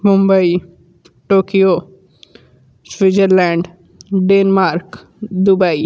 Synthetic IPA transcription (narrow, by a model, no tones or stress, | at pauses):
mʊmbəi | ʈoːkijo | sʋid͡ʒəɾlɛ̃ɳɖ | ɖeːnmaːɾk | d̪ubai